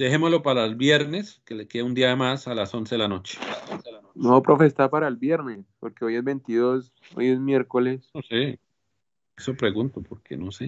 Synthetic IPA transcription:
d̪e̞hemozlopaɾalbjeɾneskelekeund̪iamasalaso̞nseðelanot͡ʃe̥ | noβopɾo̞fe̞st̪aɾpaɾaelbje̞ɾnespoɾkeojezbe̞nt̪iðos | o̰jezmjeɾkolesose | esopɾe̞ɣunt̪opoɾkenose

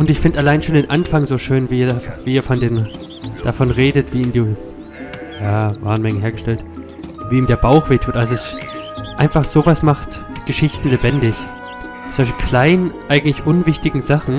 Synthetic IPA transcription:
ʔʊntɪçfɪndʔalaɪnʃoːndeːnʔanfaŋzoːʃøːnviːiːɐdaviːiːɐfɔndeːm | d̥afɔnʁeːdətv̥iːiːmdiː | jaːva̰ːɐnmɛŋənɦeːɐɡəʃtɛlt | viːiːmdeːɐbaʊxv̥eːtʰuːtʔalzoɛsʔaɪnfaχz̥oːvasmaχt | ɡ̥əʃɪçtn̩lebɛndɪç | sɔçikl̥aɪnʔaɪɡŋ̩tlɪçʔʊnvɪçtɪɡŋ̩zaχn̩

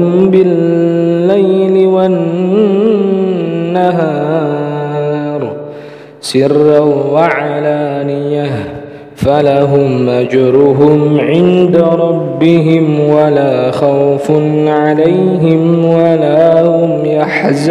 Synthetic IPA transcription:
mbɪlː | ajlɪwan | aɦɑː | ɾˤ | sɪrːawaʕalaːnɪjːa | falaɦʊmʔad͡ʒɾʊɦʊmʕɪnd̪aɾˤɑbːɪɦɪmwalaːxawfʊnʕalajɦɪmwalaːhhʊmjaħz

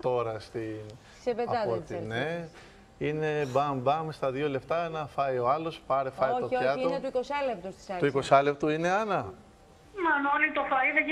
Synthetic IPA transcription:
t̪o̞ɾɐst̪in | seveɐɐpot̪ine | ine̞bɐmbɐmst̪ɐðiole̞pt̪ɐnɐfɐjo̞ɐlo̞spɐɾefɐjoç̪op̪oɐtiunet̪uikosɐlept̪ust̪i̥sɐt̪uiko̞sɐlept̪uine̞ɐnɐ | mɐnonit̪ofɐiðɐ

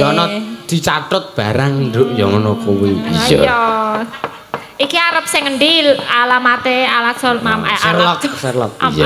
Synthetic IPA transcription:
jɔnɔd̪̥i̤t͡ʃaʈʊt̪̚b̥a̤ɾaŋɳdʊʔjɔŋɔnɔpuwebizɔjɔ | ikiaɾəp̚sɪŋəɳɖilalamat̪ealasɔlmamasɛrlɔksərlɔ̰k̚ja

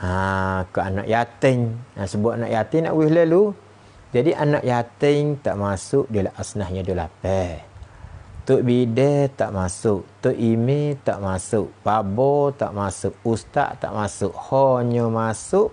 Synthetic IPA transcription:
ʔakɔanɔʔjat̪əŋasəbuaʔnaʔjat̪ɪŋna̰ʔwihləlu | d͡ʒadiʔanaʔjat̪əŋt̪aʔmasʊʔdilaʔasnahɲədola̰pɛ | t̪uʔbidɛt̪aʔmasʊʔt̪uʔimet̪a̰ʔmasʊʔpabɔt̪a̰ʔmasʊʔ̚ust̪a̰ʔt̪a̰ʔmasʊʔhɔɲəmasʊʔ

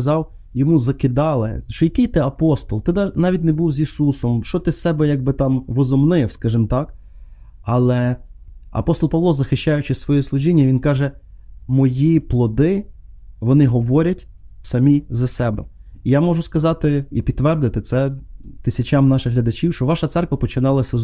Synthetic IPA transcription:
ɐzɑw | jɔmuzɐkɪd̪ɑlˠɪ̰ʃɔjɐkijt̪ɪɐpɔst̪ɔlˠt̪ɪd̪ɑnɑʋʲit̚ʲnebuwzʲisusɔmʃɔt̪ɪssɛbɛjɑɡ̚bɪt̪ɑmʋɔzɔmnɪwskɑʒɪmt̪ɑk | ɐlˠɛ | ɐ̰pɔst̪ɔlˠpɑʋlˠɔzɐxɪʃt͡ʃajʊt͡ʃɪsʋɔjɛslˠʊʒinʲːɐʋʲinkɑʒɛmɔjiplˠɔd̪ɪ | ʋɔnɪɦɔʋɔɾʲɐtʲ | sɐmʲijzɐsɛbɛ̰m | ijamɔʒʊskɐzɑt̪ɪipʲid̪ːʋɛrd̪ɪt̪ɪt̪sɛt̪ɪsʲɐt͡ʃamnɑʃɪxɦlʲɐd̪ɐt͡ʃiwʃt͡ʃɔʋɑʃɐt̪sɛrkʋɐpɔt͡ʃɪnɑlˠɐsʲɐ

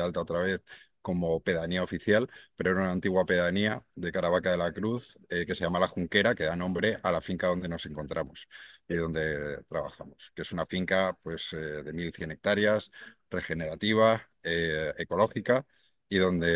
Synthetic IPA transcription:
alt̪aot̪ɾaβ̞e̞θko̞mo̞pe̞ðaniao̞fiθjalpe̞ɾoenunaːnt̪iɣwape̞ðaniaðe̞kaɾaβ̞akaðe̞lakɾuθeke̞se̞jamalaxuŋke̞ɾake̞ðanõ̞mbɾe̞ʔalafiŋkaðo̞nd̪e̞no̞se̞ŋko̞nt̪ɾʔamosiðo̞nd̪e̞t̪ɾaβa̰xamoskee̞sunafiŋkapwe̞seðe̞milθje̞ne̞k̚t̪aɾjasre̞xe̞ne̞ɾat̪iβ̞a | eeko̞lo̞xika | iðo̞nd̪e̞

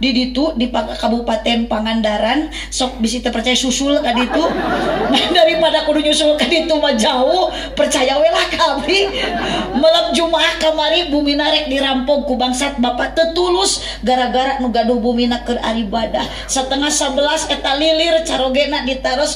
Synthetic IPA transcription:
didit̪udipakabupat̪ɛnpaŋandaɾan | sɔk̚bisit̪apərt͡ʃajasusulkadit̪unadaɾipadakuduɲusulkadit̪umad͡ʒauh | pərt͡ʃajawɛlahkawi | mələmd͡ʒumaːhkəmaɾibuminaɾɛk̚diɾampɔŋkubaŋsat̪̚bapat̪ət̪ulus | ɡaɾaɡaɾaʔ̚nuɡaduhbuminakəra̰ɾibadah | sət̪əŋahsabəlasət̪alilirt͡ʃaɾoɡɛnaʔdit̪aɾɔs

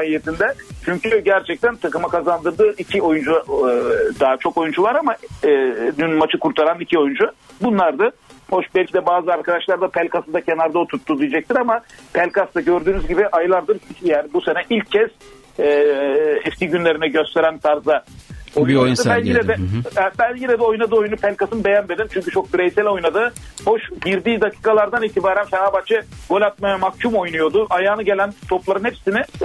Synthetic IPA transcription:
aːijet̪ʰind̪ɛt͡ʃʰyɲcyɟæɾt͡ʃʰɛc̚t̪ʰænt̪ʰakɯmakʰazand̪ɯɾd̪ɯːʔicʰio̞jund͡ʒu | d̪aɦat͡ʃʰo̞ko̞jund͡ʒuvˠaɾama | d̪ynmat͡ʃʰɯkuɾt̪ʰaɾanicʰio̞jund͡ʒubunlˠaɾd̪aho̞ʃbɛlʲcʰid̪ɛbaːzɯaɾkʰad̪aʃlˠaɾd̪apʰælʲkʰasɯnd̪acʰenaɾd̪aot̪ʰuɾt̪ʰːud̪ijed͡ʒac̚t̪ʰiɾamapʰælʲkast̪aɟø̞ɾd̪yːnyzɟibiʔajlˠaɾd̪ɯɾijaːnibuse̞nɛʔilʲcʰːɛs | ɛ | ɛft̪ʰiɟynlʲe̞ɾinɛɟøst̪ʰe̞ɾænt̪ʰaɾzaoj̪aɯbænjilɛd̪ɛɛbænjiɾɛd̪ɛo̞jnad̪ɯːo̞junupʰɛlʲkasɯnbe̞jænme̞d̪imt͡ʃʰyɲʲcyt͡ʃʰo̞k̚biɾejsælʲo̞jnad̪ɯː | hoʃɟiɾd̪iːd̪akʰi̥ːkalˠaɾd̪aniːt̪ʰibaːɾæmcʲɛnabat͡ʃʰɯɡ̥o̞lʲat̪̚majamakcʰumo̞jnujo̞d̪ʊʔajaːnɯɟe̞lʲænt̪ʰo̞plˠaɾɯnhepsinɪ

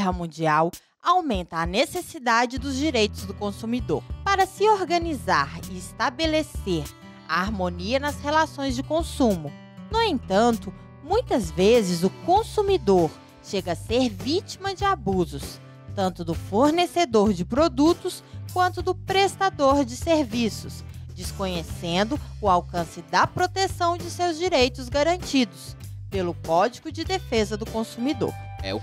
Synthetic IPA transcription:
ɦɐmũd͡ʒiaw | awmẽnt̪ɐːnesesid̪ad͡ʒɪd̪ʊzd͡ʒiɾejt̪ʊzd̪ʊkõsumid̪o̰ɾpaɾɐsɪoɾɡɐnizaɾɪɪst̪abeleseɾ | a̰aɾmõniɐnɐshelasõj̃zd͡ʒɪkõsũmʊ | nʊẽnt̪ɐ̃nt̪ʊ | mũj̃t̪ɐzvezɪzʊkõsumid̪oɾ | ʃeɡɐːseɾvit͡ʃimɐd͡ʒɪabuzʊs | t̪ɐ̃nt̪ʊd̪ʊfoɾnesed̪oɾd͡ʒɪpɾod̪ut̪ʊskwɐ̃nt̪ʊd̪ʊpɾest̪ad̪oɾd͡ʒɪseɾvisʊsd͡ʒɪskõɲesẽnd̪ʊʊawkɐ̃sɪd̪ɐpɾot̪esɐ̃w̃d͡ʒɪsewzd͡ʒiɾejt̪ʊzɡaɾɐ̃nt͡ʃid̪ʊspelʊkɔd͡ʒiɡʊd͡ʒɪd̪efezɐd̪ʊkõsumid̪o̰ɾɛ̰

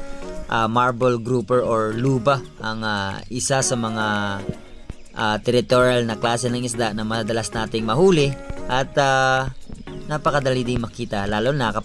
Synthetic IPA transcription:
ʔamaɹbolɡɾuːpɛɹʔoɹluːbɐʔɐŋaʔɪsasɐmɐŋa | ʔat̪ɛɾɪt̪oɾialnɐklaːsɛnɐŋɪsd̪aʔnɐmɐɐd̪ɐlasnaːt̪ɪŋmɐhuːlɪʔɐt̪a | naːpɐkɐd̪ɐlid̪ɪŋmɐkiːt̪ɐlaːlonɐkɐ

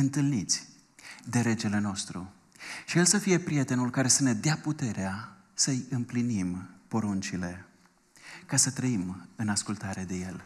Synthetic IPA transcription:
ɨnt̪ɨlnit̪sʲ | d̪e̞ɾe̞d͡ʒe̞le̞no̞st̪ɾṵ | ʃije̞lsəfije̞pɾije̞t̪e̞nulkaɾe̞səne̞d̪eaput̪e̞ɾea | səjɨmplinimpo̞ɾunt͡ʃile̞ | kasət̪ɾəimɨnaskult̪aɾe̞d̪e̞je̞l

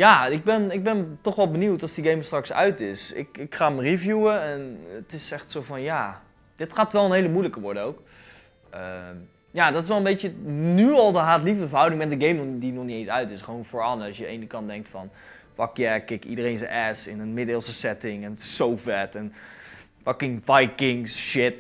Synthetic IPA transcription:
jaːɪɡ̚bɛnɪɡ̚bɛntɔχʋɛlˠbəniwtɑlˠsdiɡejməstrɑksœ̰ɥtɪsɪ̰kɪkχaːmərivjuəɛnətɪsɛxtsowvɑnjaː | d̥ɪtχaːtʋɛlˠənɦejləmujləkəʋɔɹdənowk | ə | jaːdɑtɪsʋɛlˠə̃nmbejtjənyɑlˠdəɦaːtlivdəvəɹɦʌwdɪŋmɛt̚dəɡejmnɔdinɔχniẽjnsœɥtɪsχəʋownvoːɹɑnsjəejnəkɑn̚dɛŋk̚tfɑn | fɑkjɛkɪkḭdərejnsəʔɛsɪnənmɪdɪːlˠsəsɛtɪŋɛnsowfɛtɛn | fɑkɪŋvajkɪŋsʃɪt

